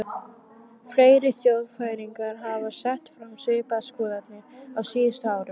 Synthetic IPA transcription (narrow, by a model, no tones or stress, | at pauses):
fɾeːjɾɪθjowðfaːjɾiŋkaɾ̥ɦaːvasɛht̪fɾamsɪːpaskɔːðat̪nɪɾawsiːst̪ʏaːwɾʏmm